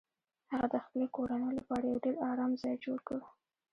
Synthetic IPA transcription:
haɣad̪əxpəlekoɾanəjolapɑɾajawɖeɾɑɾɑmzɑjd͡ʒoɽkaɽu

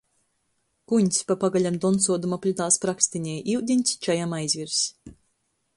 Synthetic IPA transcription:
kuɲʲsʲpapaɡalʲamd̪ɔnsuɔd̪umapʲlʲut̪aːspɾakst̪iɲɛjiwd̪ʲinʲt̪ʲsʲt͡ʃajamajzʲvʲiɾs

